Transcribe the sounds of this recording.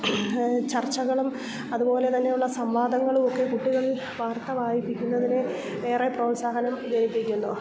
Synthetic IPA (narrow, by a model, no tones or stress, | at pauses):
t͡ɕɐrt͡ɕːɐɣɐɭum | ɐðupo̞ːle̞t̪ɐnːe̞juɭːɐsɐmʋaːd̪ʱɐŋːɐɭumo̞kːe̞kuʈːiɣɐɭil | ʋaːrt̪ɐʋaːjipːikʲːunːɐðine | ʋeːrepro̞ːlsaːɦɐnɐmd͡ʑɐnipːikʲːunːu